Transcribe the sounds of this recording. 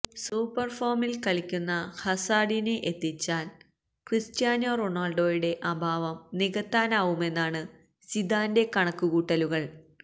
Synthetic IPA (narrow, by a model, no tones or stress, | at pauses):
suːpːɐrfoːmilkɐɭikʲːunːɐhɐsaːɖineʔet̪ːit͡ɕːaːl | kristjaːnoːroɳaːlɖo̞ːjuɽe̞ʔɐbʱaːʋɐmniɣɐt̪ːaːnaːʋume̞nːaːɳɨ | sid̪ʱaːnde̞kɐɳɐkːuɣuːʈːɐluɣɐɭ